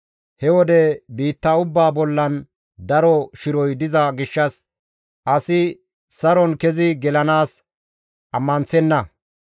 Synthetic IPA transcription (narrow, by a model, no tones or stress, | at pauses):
hɛwɔd̪ɛbiːt̪ːɐʊbːaːbɔlːɐn | d̪ɐɾɔʃɪɾɔjd̪ɪzɐɡɪʃːɐs | ʔɐsɪ | sɐɾɔnkɛzɪɡɛlɐnaːs | ʔɐmːɐnt͡sɛnːɐ